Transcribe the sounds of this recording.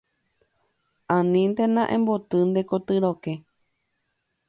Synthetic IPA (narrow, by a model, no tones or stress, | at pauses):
ãnĩnd̪enãʔẽmbot̪ɨnd̪e̞kot̪ɨɾoke